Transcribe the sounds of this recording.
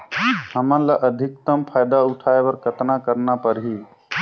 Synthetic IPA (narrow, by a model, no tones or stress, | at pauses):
həmənlaʔəd̪ʱik̚t̪əmpʰajd̪auʈʰaebəɾkət̪nakəɾnapəɾɦi